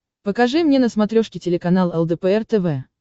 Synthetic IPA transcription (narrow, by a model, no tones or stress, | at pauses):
pəkɐʐɨmnʲenəsmɐt̪ɾʲoʂkʲɪtʲɪlʲɪkɐnalˠɛlˠd̪ɛpɛɛrt̪ɛvɛ